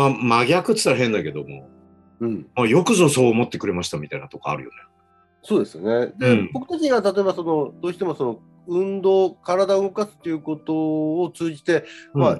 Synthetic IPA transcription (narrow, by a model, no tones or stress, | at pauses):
mamaɡʲakɯ̟t͡sɨ̥t̪aɾɦẽ̞nd̪ake̞d̪omo̞̰ | ɯ̟̃ɴmajo̞kɯ̟ʑoso̞ːmo̞t̪ːe̞kɯ̟ɾe̞maɕi̥t̪amʲit̪ainat̪oka̰ːɾɯ̟jo̞̰ne | soːd̪e̞sɨjone̞d̪e̞po̞kɯ̟t̪okʲiɲiɡat̪at̪oe̞baso̞no̞d̪o̞ːɕi̥t̪e̞moso̞no̞ | ɯ̟̃nd̪oːkaɾad̪aɯ̟ɡo̞kasɨ̥t̪ːe̞iɯ̟ko̞t̪o̞ːt͡sɨːʑit̪e̞ma